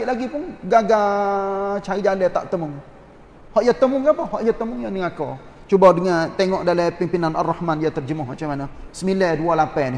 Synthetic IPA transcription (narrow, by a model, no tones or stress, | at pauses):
ɪʔlaɡipʊnɡaɡa | t͡ʃaɾid͡ʒalɛt̪a̰ʔt̪əmʊŋ | hɔʔjat̪ːəmʊŋɡapəhɔʔjat̪əmʊŋjaniŋakɔ | t͡ʃubadəŋant̪eŋɔʔdalɛpimpinanarːahmanjat̪ərd͡ʒəmʊɦmat͡ʃamanəsəmilɛdualapɛnɪ